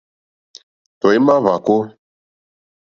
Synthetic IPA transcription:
tɔ˨i˦ma˦va˨ko˦

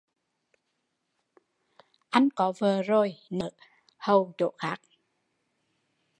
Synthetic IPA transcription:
ʔa˧jŋ̟kɔ˨˦vəː˨˩zo˨˩jnəː˧˦ | hə˨˩wɗo̰˧˨xaː˦˥k̚

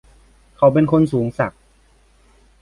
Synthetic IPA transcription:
kʰa˨˩wp̬e˧nkʰo˧nsuː˩˦ŋsa̰˨˩k̚

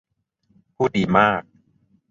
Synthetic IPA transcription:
pʰuː˥˩t̚diː˨˩maː˥˩k̚

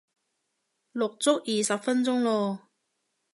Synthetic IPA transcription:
lʊ˨˩k̚t͡sʊ˥k̚ʔi˨˩sɐ˨˩p̚fə˦˥nt͡sʊ˥ŋloː˧

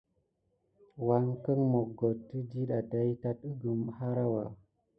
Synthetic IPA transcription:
wa˨˦ŋkə˦ŋmo˨k̚ɡo˨tːi˦di˦ɗa˨da˨˦ji˦ta˦t̚ə˦ɡu˨mha˦ɾa˦wa˨

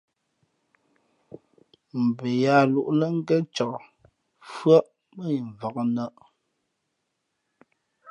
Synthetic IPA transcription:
m̩˨be˨ja˦˨lu˨ʔlə˦ŋ̩˦ɡə˦t͡ʃɔ˨ | fɰɔ˦ʔ | mə˦˨i˨ɱ˨va˨kə˦nə˦ʔ

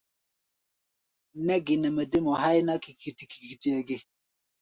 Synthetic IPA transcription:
nɛ˦ɡi˨nə˨mə˨di˦mɔ˨ɦa˦jna˦ki˨ki˨ti˨ki̥˨ki˨ti˦ɛ˨ɡi˦

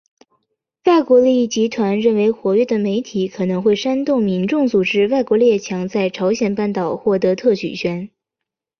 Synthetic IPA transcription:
wa˥˩ɪkwɔ˧˥li˥˧i˥˩t͡ɕi˧˥t̪ʰwa˧˥nɻə˥˩nwe˧˥ɪxwɔ˧˥ɥɛ˥˩d̪ə˨me˧˥ɪt̪ʰi˨˧˥kʰɤ˨˩nɤ˧˥ŋxwe˥˩ɪʂa˥nt̪ʊ˥˩ŋmi˧˥nʈ͡ʂʊ˥˩ŋt͡su˨˩ʈ͡ʂɻ̩˥wa˥˩ɪkwɔ˧˥li˥˩ɛ˥˩t͡ɕʰjɑ˧˥ŋt͡sa˥˩ɪʈ͡ʂʰɑ˧˥ʊɕjɛ˨˩npa˥˩nt̪ɑ˨˩ʊxwɔ˥˩t̪ɤ˧˥t̪ʰɤ˥˩ɕy̰˨˩ɕɥɛ˧˥n

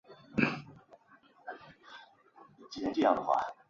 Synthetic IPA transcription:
t͡ɕi˥˩jɛ˧˥nʈ͡ʂjɑ˥ŋd̪ə˩xwa̰˥˩

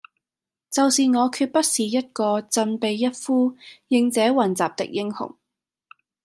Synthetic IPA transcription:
t͡sɐ˨wsiː˨ŋɔː˨˧kʰyː˧t̚pɐ˥t̚siː˨jɐ˥t̚kɔː˧t͡sɐ˧npe˨jːɐ˥t̚fuː˥jɪ˨˧ŋt͡sɛː˨˥wɐ˨˩nt͡saː˨p̚t̪ɪ̰˨k̚jɪ˧˥ŋhʊ̰˨˩ŋ

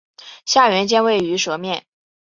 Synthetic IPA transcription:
ɕja˥˩ɥɛ˧˥nt͡ɕjɛ˥nwe˥˩ɪy˧˥ʂwɤ˧˥mjɛ˥˩n

